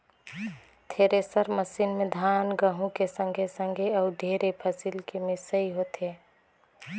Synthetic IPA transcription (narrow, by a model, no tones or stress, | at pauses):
t̪ʰeɾesəɾməsinmed̪ʱanɡəɦũkesə̃ŋɡʱesə̃ŋɡʱeəʊɖʱeɾepʰəsilkemisəiɦot̪e